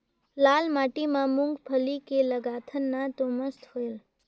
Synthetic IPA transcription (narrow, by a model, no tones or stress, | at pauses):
laːlmaːʈimãmʊŋɡpʰəlikeləɡaːt̪ʰənːat̪oməst̪hoel